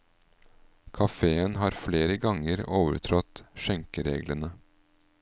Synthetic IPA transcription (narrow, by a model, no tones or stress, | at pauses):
kʰɑfeːənɦɑːɾfleːɾəɡɑŋəɾoːʋə̰ɾʈʰɾɔt̪ʃɛŋkəɾḛːɡlənə